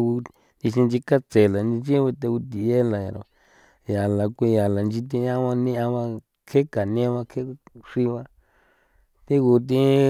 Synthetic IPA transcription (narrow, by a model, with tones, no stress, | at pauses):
u˧ | t̪i˧ʃi˧nd͡ʒi˧ka˦t͡se˨la˨nĩ˧n˦i˦βe˧t̪e˧u˧t̪i˨je˦la˨ja̰˨ɾo̰˧˨ | ja˨la˨kʷi˧ja˨la˨nd͡ʒi˧t̪̬i˧˦ã˦βã˧nĩ˦ã˧βã˧ | kʰe˦ka˨n˧ẽ˦βa˧kʰe˦ʂi˧βa˧ | t̪i˦ɣu˧t̪̬ĩ˦